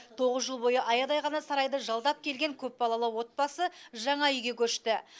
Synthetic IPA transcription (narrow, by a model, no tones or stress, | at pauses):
t̪ʰo̞ʁəzʒəlˠbo̞jəʔɑjɑd̪ɑjʁɑnɑsɑɾɑjd̪əʒɑlˠd̪ɑp̚kʲʰe̞lɡʲe̞ŋkʲʰɵp̚bɑlˠɑlˠəwo̞t̪̚bɑsəʒɑɴɑʏjɡʲe̞kʲʰɵʃt̪ɪ